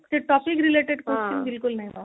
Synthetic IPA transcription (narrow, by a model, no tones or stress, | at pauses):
t̪eʈɔːpikɾileʈeɖkost͡ʃĩŋbɪlkʊlnaiba